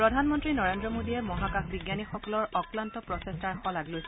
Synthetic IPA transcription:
pɹɔdʱanmɔntɹinɔɹendɹɔmodiɛmɔɦakaxbiɡjanixɔkɔlɔɹɔklantɔpɹɔtestaɹxɔlaɡlojs

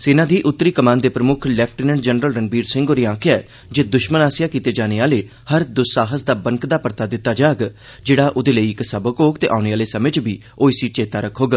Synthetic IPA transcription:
seːnãːd̪iːʔʊt̪ːɾiːkəmãːnd̪eːpɾəmʊkʰlɛːpʰʈinəɳɖd͡ʒənɾəlɾənbiːɾsɪ̃ŋɡoːɾiːãːkʰːɛː | d͡ʒeːd̪ʊʃmənaːsɪjaːkiːt̪eːd͡ʒaːneːaːleː | həɾd̪ʊsaːɦəsd̪aːbəŋkd̪aːpəɾt̪aːd̪ɪt̪ːaːd͡ʒaːɡ | d͡ʒeːɽaːʔod̪eːləiːɪksəbəkoːɡt̪ḛːʔaːʊneːaːleːsəmẽt͡ʃbʱiː | oːisiːt͡ʃeːt̪aːɾəkʰːoːɡaː

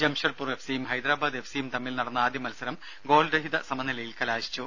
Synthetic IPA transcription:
d͡ʑɐmɕɐrpure̞fsijumɦɐjd̪ɾaːbaːd̪e̞fsijumt̪ɐmːilnɐɽɐnːɨaːd̪ʱjɐmɐlusɐɾɐm | ɡo̞ːlɾɐɦid̪ɐsɐmɐnːilɐjilkɐlaːɕi̥t͡ɕːu

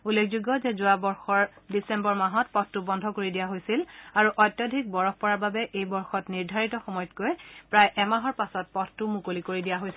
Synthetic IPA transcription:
ulːekʰzuɡɔzezʊabɔɹxɔɹdisɛmbɔɹmaɦɔtpɔttʊbɔndʱɔkoɹidijaɦojsilaɹuʔɔjtːjɔdʱik̚bɔɹɔxpɔɹababɛʔejbɔɹxɔtniɹdʱaɹitɔxɔmɔjɔtkojpɹajʔɛmaɦɔɹpasɔt̚pɔttʊmukolikoɹidijaɦojsi

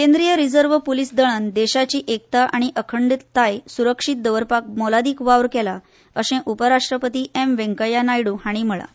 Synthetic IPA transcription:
kẽnd̪ɾijəɾid͡zəɾʋəpulisd̪əɭ̃ənd̪eɕat͡ɕiːʔek̚t̪aʔaɽ̃iʔəkʰəɳɖit̪t̪ːajsuɾəkʂit̪̚d̪əʋəɾpak̚mɔlad̪iːkʋaʋɾkɛla | əɕɛ̃ʔupəɾaʂʈɾəpət̪iːʔemʋẽŋkəjanajɽũhaɽ̃im̤əɭa̰

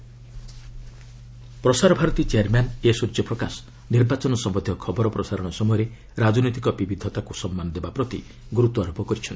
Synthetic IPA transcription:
pɾɔsaɾɔbʱaɾɔt̪it͡ʃeaɾmanesuɾt͡ʃɔpɾɔkasɔ̥ | niɾbat͡ʃɔnɔsɔmbɔd̪ʱjɔkʰɔbɔɾɔpɾɔsaɾɔɽ̃ɔsɔmɔjɔɾe | ɾad͡ʒɔnojt̪ikɔbibid̪ʱɔt̪akusɔmːanɔd̪ebapɾɔt̪ḭ | ɡuɾut̪ɔaɾopɔkɔɾit͡ʃʰɔnt̪i̥

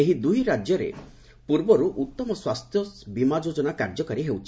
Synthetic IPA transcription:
eɦid̪uɦiɾad͡ʒjɔɾḛ | puɾbɔɾuʔut̪ːɔmɔswast̪ʰjɔbimad͡ʒod͡ʒɔnakaɾd͡ʒɔkaɾiɦewt͡ʃʰi̥

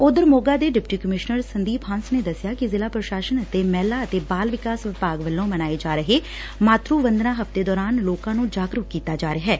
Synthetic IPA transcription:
ʊd̪əɾmoːɡaːd̪eːɖɪpʈiːkəmɪʃnəɾsənd̪iːpʰãːnsneːd̪əsjaːkɪzɪlaːpɾəʃaːʃənət̪eːmɛːlaːət̪eːbaːlʋɪkaːsʋɪpaːɡʋəlːõːmənaːeːd͡ʒaːɾəɦe | maːt̪ɾuːʋə̃nd̪nãːɦəft̪eːd̪ɔːɾaːnloːkãːnũːd͡ʒaːɡɾʊkkiːt̪aːd͡ʒaːɾeɦɛː

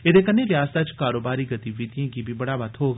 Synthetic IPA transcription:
eːd̪eːkənːeːlɪaːst̪aːt͡ʃkaːɾoːbaːɾiːɡət̪iːʋid̪ijãːkiːbʱiːbəɽaːʋət̪ʰɦoːɡ

